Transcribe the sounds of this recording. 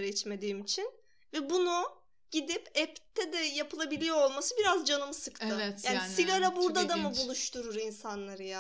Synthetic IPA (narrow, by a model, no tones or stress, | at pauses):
ɾɛt͡ʃme̞d̪iːimit͡ʃʰin | vɛbunu | ɟ̥id̪ipɛpt̪ʰɛd̪ɛjapʰɯlˠabilʲijoolˠmasɯbiɾazd͡ʒanɯmɯsɯkt̪ɯt̪aːnisiɡaɾabuɾd̪ad̪amɯbulˠuʃt̪ʰuɾuɾinsanlˠaɾɯja